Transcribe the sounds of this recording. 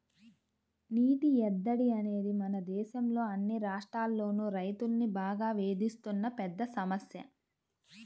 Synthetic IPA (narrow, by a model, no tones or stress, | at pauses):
niːʈiɛd̪ːɐɽiɐne̞ːd̪imɐnɐd̪ɛːʃɐmlo̞ːɐnːiɾaːʂʈɾaːlːo̞ːnuːɾɐjt̪ulnːibaːɡaːʋe̞ːd̪ist̪unːɐpɛd̪ːɐsɐmɐsjɐ